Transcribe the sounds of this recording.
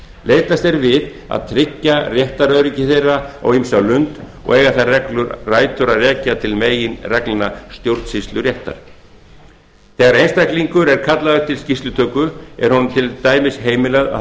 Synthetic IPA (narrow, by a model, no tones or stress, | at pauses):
leːjt̪ast̪ɛɾvɪð | a̰ðt̪ʰɾɪcːarjɛht̪aɾœðɾɪcɪθejrːaɔ̰ɣimsalʏnt̪ | ɔ̰ɣɛːɣḁθarɛklʏɾraːjt̪ʏɾaðrɛːcat̪ʰɪlmeːjɪnrɛklnast̪jowɾt̪sɪst̪lʏɾjɛht̪a̰ɾ̥ | θɛɣaɾejnst̪ajkliŋkʏɾɛɾ̥kʰat̪laðʏt̪ʰɪlscist̪lʏt̪ʰœːkʏɛ̰ɾhɔnʏmt̪ʰɪlt̪aːjmɪsɦeːjmɪlɛɣða̰